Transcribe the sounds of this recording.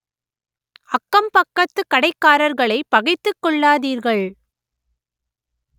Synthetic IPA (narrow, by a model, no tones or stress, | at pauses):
ɐkːɐmpɐkːɐt̪ːɯkːɐɽɐɪkːaːɾɐɾɣɐɭɐɪpɐɣɐɪt̪ːɯkːɔɭːaːðiːɾɣɐɭ